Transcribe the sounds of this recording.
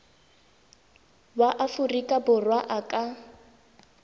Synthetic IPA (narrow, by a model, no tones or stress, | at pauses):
baʔafurikʼabʊrwaʔakʼa